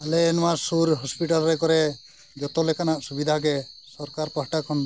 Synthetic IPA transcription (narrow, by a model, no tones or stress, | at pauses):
aleːnmasuɾɦɔspiʈalɾekɔɾe | d͡ʒɔt̪ɔlekanaʔsubid̪ʱak̬esɔɾkaɾpaɦʈakʰɔn